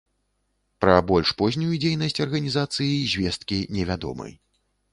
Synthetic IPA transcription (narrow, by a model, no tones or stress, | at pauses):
pɾɐbɔlʲʂpɔzʲnʲujud͡zʲejnɐsʲt͡sʲɐrɣɐnʲizat̪sɨjizʲvʲɛst̪̚kʲinʲɛvʲad̪ɔ̰mɨ̰j